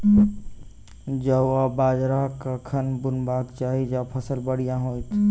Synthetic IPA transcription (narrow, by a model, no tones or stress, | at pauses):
d͡ʒəabaːd͡ʒɾakakʰənbʊnbaːkt͡ʃaːɦid͡ʒapʰəsəlbəɽijãɦoːjt̪ʰ